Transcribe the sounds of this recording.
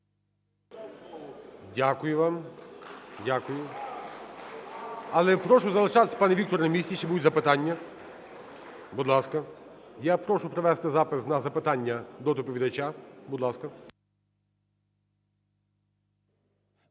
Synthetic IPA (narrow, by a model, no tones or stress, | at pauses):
dʲakʊjʊʋɑm | dʲakʊjʊ | ɐlˠɛpɾɔʃʊzɐlˠɪʃɑt̪e̥sʲɐ̥pɑnɛik̚t̪ɔɾɐnɐmʲisʲtʲiʃt͡ʃɛbuʊzɐpɪt̪ɑnʲːɐ | bud̪lˠɑskɐ | japɾɔʃʊpɾeʋɛst̪ɪzɑpɪsnɐzɐpɪt̪ɑnʲːɐd̪ɔt̪ɔpɔʋʲid̪ɐt͡ʃabʊd̪lˠɑskɐ